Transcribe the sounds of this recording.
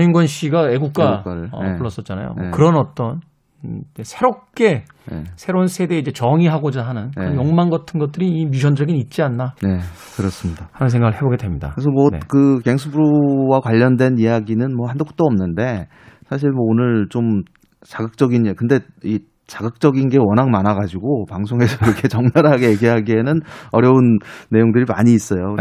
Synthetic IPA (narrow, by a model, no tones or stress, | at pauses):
ɲinɡwʌnɕʰiɡae̞ɡukk͈aaɾɯɭʌ̰puɭːʌs͈ʌt̚t͡ɕ͈ana̰jo̰okɯɾʌnʌt͈ʌn | esʰe̞ɾop̚k͈e̞ | sʰeɾonsʰe̞de̞id͡ʑe̞t͡ɕʌŋiɦaɡod͡ʑaɦanɯnkɯɾʌnjoŋmanɡʌtʰɯnɡʌt͈̚ɯɾiːmjuɕʰʌnd͡ʑʌɡinit̚t͡ɕ͈ianːane | kɯɾʌs͈ɯmɲidahanɯnsʰeŋɡaɡɯɭhe̞boɡe̞dwe̞mɲida̰ɯesʰʌmʌnekɯke̞ŋsʰubuɾowakwaʎːʌndwe̞nijaɡinɯnmwʌhandok̚t͈oʌmnɯnde̞ | sʰaɕ̬ʰiɭmwʌonɯɭt͡ɕom | t͡ɕaɡɯk̚t͡ɕ͈ʌɡinkɯnde̞i | t͡ɕaɡɯk̚t͡ɕ͈ʌɡinɡe̞wʌnɦaŋmanaɡad͡ʑiɡopaŋsʰoŋe̞sʰʌiɾʌkʰe̞t͡ɕʌŋnaɾaɡe̞jeɡeɦaɡienɯnʌɾjʌunːe̞joŋdɯɾima̰ɲiːs͈ʌjo